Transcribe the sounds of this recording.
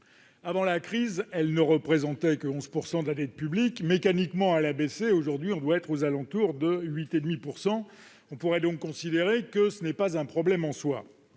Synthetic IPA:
avɑ̃lakχizɛlnəʁəpχezɑ̃t̪ɛkəɔ̃zpuʁsɑ̃d̪lad̪ɛt̪̚pyblikmekanikmɑ̃alabeseoʒuʁd̪ɥiɔ̃d̪waɛt̪χozalɑ̃t̪uʁd̪əɥit̪ed̪mipuʁsɑ̃ | ɔ̃puʁɛd̪ɔ̃kːɔ̃sid̪eʁekəsənɛpazɛ̃pχɔblɛmɑ̃swa̰

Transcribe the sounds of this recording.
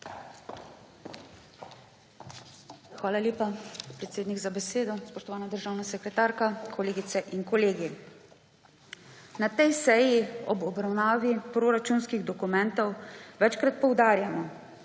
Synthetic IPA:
xʋaːlalʲjeːpapɾɛt̪seːd̪niɡzabɛseːd̪ɔspɔʃt̪ɔʋaːnad̪əɾʒaːwnasɛkɾɛt̪aːɾkakʰɔleːɡit̪sɛʔiŋkɔleːɡi | nat̪ɛjsɛjiɔbɔbɾawnaːʋipɾoːɾat͡ʃunskiɣd̪ɔkumɛnt̪ɔwʋɛt͡ʃkɾat̪̚pɔwd̪aːɾjamɔ

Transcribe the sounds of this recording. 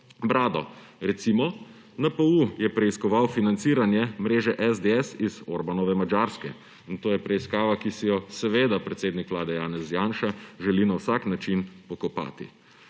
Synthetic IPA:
bɾaːd̪ɔ | ɾɛt̪simɔ | napəujɛpɾɛiskɔʋawfinant̪siːɾanjɛmɾeːʒɛʔɛzd̪eɛsizoɾbanɔʋɛmad͡ʒaɾskɛ | int̪oːjɛpɾɛiskaːʋakisijɔsɛʋeːd̪apɾɛt̪seːd̪nikʋlaːd̪ɛjaːnɛzjaːnʃaʒɛlinawsaknat͡ʃinpɔkɔpa̰ːt̪ḭ

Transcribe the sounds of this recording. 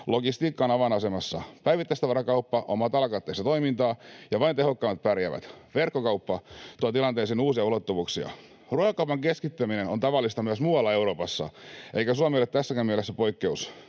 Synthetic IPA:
loɡist̪iːkːɑːnɑʋɑnɑsemɑsːɑ̰pæiʋit̪ːæˑist̪ɑʋɑɾɑkɑupːɑʔomɑt̪ɑlkɑt̪ːeist̪ɑt̪o̞imint̪ɑːjɑʋɑint̪eɦokːɑːmːɑt̪̚pærjæʋæ̰t̪ʋerkːokɑupːɑt̪uɑt̪ilɑnt̪eːsiːnuːsiɑulot̪ːuʋuːksiɑ̰ | ruɑjɑkɑupɑŋkeskit̪ːæmineno̰nt̪ɑʋɑlːist̪ɑmyæsmuːwɑlːɑe̞uɾo̞ːpɑsːɑ̰eikæsuɑmiølet̪t̪æsːækæːmiælesːæpo̞ikːeus

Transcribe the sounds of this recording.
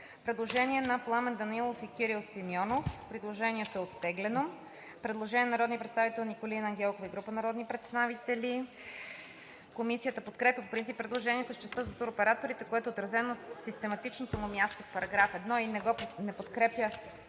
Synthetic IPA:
pɾɛd̪lˠoʒɛniɛnɐplˠamɛnd̪ɐnilˠofikʲiɾilˠsimjɔnofpɾid̪lˠoʒɛniɛt̪oɛot̪ːɛɡlɛno | pɾɛd̪lˠoʒɛnʲɛnɐɾɔd̪niəpɾɛt̪st̪avit̪ɛlˠnikolinɐŋɡʲɛlˠkofiɡɾupənɐɾɔd̪nipɾɛt̪st̪avit̪ɛli | komisijət̪əpot̪kɾɛpʲjəpopɾint̪sipːɾɛd̪lˠoʒɛnʲiɛt̪ost͡ʃɛst̪əzɐt̪uɾopɛɾat̪oɾit̪ɛkoɛt̪oːt̪ɾɐzɛnosist̪ɛmɐt̪it͡ʃnot̪omʊmʲjast̪ofpɐɾɐɡɾafɛd̪nɔinɛɡɔnɛpot̪kɾɛpjə

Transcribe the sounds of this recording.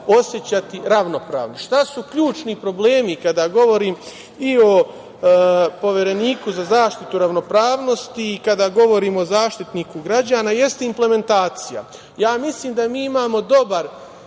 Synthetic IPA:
o̞sjet͡ɕat̪iɾaʋno̞pɾa̰ːʋnoʃt̪asukʎuːt͡ʃnipɾo̞ble̞ːmikad̪aːɡo̞ʋo̞ɾiːm | io̞ | po̞ʋjeɾe̞niːkuzazaːʃt̪it̪uɾaʋno̞pɾaːʋno̞st̪iːkad̪aːɡo̞ʋo̞ɾiːmozaːʃt̪it̪niːkuɡɾad͡ʑaːnaje̞st̪eimple̞me̞nt̪aːt̪sija̰ | jaːmisliːmd̪amiːimaːmo̞d̪o̞baɾ

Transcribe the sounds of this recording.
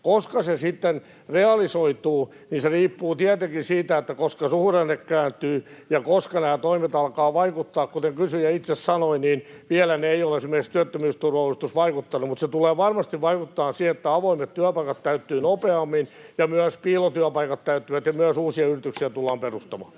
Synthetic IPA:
koskɑsesit̪ːen | reɑlisoit̪uː | niːnseriːpːuːt̪iæt̪eŋkinsiːt̪æet̪ːækoskɑsuhrenːekkæːnt̪yːjɑkoskɑnæːt̪oimet̪ɑlkɑːʋɑikut̪ːɑːkkut̪eŋkysyjæit̪sessɑnoiniːnʋiælæneeijolesimːerkikst̪yæt̪ːømyːst̪urʋɑulust̪usʋɑikut̪ːɑnumut̪set̪uleːʋɑrmɑst̪iʋʋɑikut̪ːɑːnsiet̪ːæɑʋoimet̪t̪yæpɑikɑt̪t̪æyt̪ːyːnopeɑmːinjɑmyæspiːlot̪yæpɑikɑt̪t̪æyt̪ːyʋæt̪jɑmyæsuːsiɑyrit̪yksiæt̪ulːɑːmperust̪ɑmɑ̰ː

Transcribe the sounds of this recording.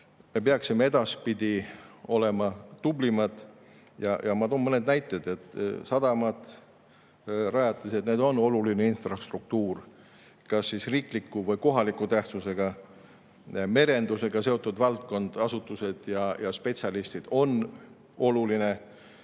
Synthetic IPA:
me̞p̬eɑksimee̞d̪̥ɑspid̪̥ʲio̞le̞mɑt̪ublimɑd̪̥ | jɑjɑmɑt̪ommɤne̞d̪næjt̪ːˑed̪̥e̞t̪ˑːsɑd̪ɑmɑd̪̥ | rɑjɑt̪ːˑɑse̞t̪ned̪o̞no̞lulineinfrɑst̪ruk̚t̪uːr | kɑsːisriːklikːuvɤjko̞ɦɑlikːˑut̪æht̪suse̞ɡ̥ɑ | me̞ɾe̞nd̪use̞ɡ̥ɑse̞o̞t̪ːˑud̪vɑlt̪̚ko̞nd̪̥ɑsut̪ːˑuse̞d̪̥jɑjɑspe̞t̪ʲsʲɑlist̪id̪̥o̞n | o̞luline̞

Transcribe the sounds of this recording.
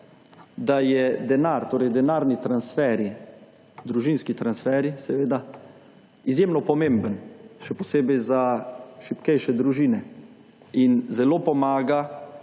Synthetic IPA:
d̪ajɛd̪ɛnaɾt̪oːɾɛjd̪ɛnaːɾnit̪ɾansfɛːɾi | d̪ɾuʒinskit̪ɾansfɛɾisɛʋeːd̪a | izjemnɔpɔmeːmbənʃɛpɔseːbɛjzaʃipkɛjʃɛd̪ɾuʒiːnɛ | inzɛloːpɔmaːɡa

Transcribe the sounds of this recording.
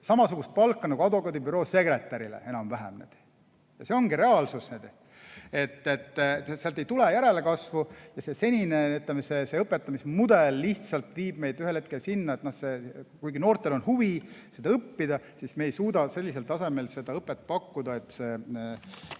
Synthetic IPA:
sɑmɑsuɡ̥ust̪̚pɑlkːˑɑnɑɡuɑd̪vokˑɑd̪ibyɾo̞ːse̞ɡɾe̞t̪ːˑɑɾilḛe̞nɑmvæɦḛmnḛd̪̥ | jɑse̞o̞ŋɡiɾe̞ɑlsusned̪ | e̞t̪ːe̞t̪ːseɑlt̪ejt̪ulejæɾe̞lekɑsvujɑse̞se̞nʲineyt̪ːlemese̞seɤpːˑet̪ːˑɑmismud̪̥elːiht̪sɑlt̪viːb̥̚me̞jd̪̥yhelhet̪ke̞lsinːɑet̪nohse̞kujɡino̞ːrt̪ːˑe̞lo̞nhuvise̞d̪ɑɤpːid̪̥ɑ | sismeːjsuːd̪ɑse̞lʲːis̬e̞lt̪ɑse̞me̞lse̞d̪ɑɤpːˑet̪̚ːˑpɑkːud̪̥ɑe̞t̪ːˑse̞ː

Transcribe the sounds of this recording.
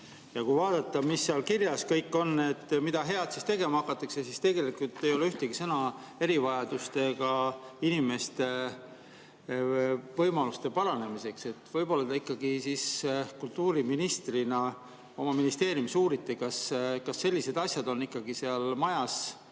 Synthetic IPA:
jɑkujvɑːd̪ɑt̪ːˑɑmisːeɑlkirjɑskɤjkːˑo̞nːe̞t̪ːmid̪ɑɦe̞ɑd̪sist̪e̞ɡe̞mɑɑkːˑɑt̪ːˑɑksesist̪e̞ɡe̞likult̪ːe̞jo̞leyht̪eɡ̥isɤnɑe̞ɾivɑjɑd̪̥ust̪e̞ɡ̥ɑinime̞st̪e̞ | vɤjmɑlust̪e̞pɑɾɑne̞mise̞kse̞t̪ːˑvɤjb̥o̞lːɑd̪̥ɑikːˑɑɡisiskult̪uːɾiminist̪rinɑ | o̞mɑminist̪e̞ːɾjumisuːɾit̪ːˑikɑskɑsːe̞lʲːise̞d̪̥ɑsʲjɑd̪o̞nːikːˑɑɡiseɑlmɑjɑs

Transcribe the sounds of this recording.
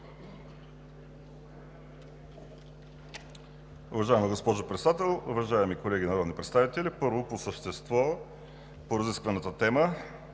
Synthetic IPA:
ʊvɐʒaɛməɡospɔʒopɾɛt̪sɛd̪at̪ɛlˠʊvɐʒaɛmikolɛɡʲinɐɾɔd̪nipɾɛt̪st̪avit̪ɛlipɤɾvoposəʃt̪ɛst̪vɔ | poɾəziskvɐnət̪ət̪ɛmə

